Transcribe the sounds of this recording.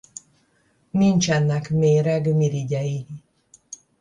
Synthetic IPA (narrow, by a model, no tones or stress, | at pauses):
nint͡ʃɛnːɛkmeːɾɛɡmiɾiɟɛji